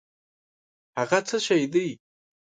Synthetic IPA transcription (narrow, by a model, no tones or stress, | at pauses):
aʁat͡sʰaʃajd̪ɨj